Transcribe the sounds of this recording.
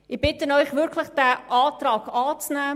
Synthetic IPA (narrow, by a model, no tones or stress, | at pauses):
ɪb̥ɪtənɔʏχʋɪɾkʰləχd̥æʔɑːtrɑːɡɑːt͡snɛː